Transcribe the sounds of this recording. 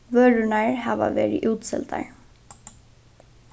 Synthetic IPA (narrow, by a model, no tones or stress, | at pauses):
ʋœːɻʏnaɹhaːʋa̰ʋɛːɾɪʔuːt̪sɛ̰lt̪a̰ɹ